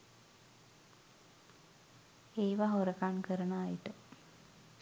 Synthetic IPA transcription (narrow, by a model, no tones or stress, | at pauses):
eːʋaɦoɾəkankəɾənaːjiʈə